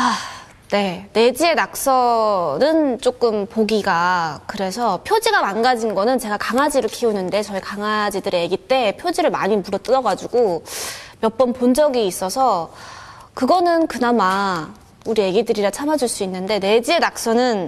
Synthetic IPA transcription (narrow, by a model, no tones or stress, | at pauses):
a | ne̞ne̞d͡ʑie̞nak̚s͈ʌnɯnt͡ɕ͈ok͈ɯmpoɡiɡakɯɾe̞sʰʌpʰjod͡ʑiɡamanɡad͡ʑinɡʌnɯnt͡ɕe̞ɡakaŋad͡ʑiɾɯɭkʰiunɯnde̞t͡ɕʌikaŋad͡ʑidɯɾejeɡit͈e̞pʰjod͡ʑiɾɯɭma̰ɲimuɾʌt͈ɯɾʌɡad͡ʑuɡo | mjʌp͈ʌnpond͡ʑʌɡiːs͈ʌsʰʌ | kɯɡʌnɯnkɯnama | uɾije̞ɡidɯɾiɾat͡ɕʰamad͡ʑuɭs͈uinːɯnde̞ne̞d͡ʑie̞nak̚s͈ʌnɯn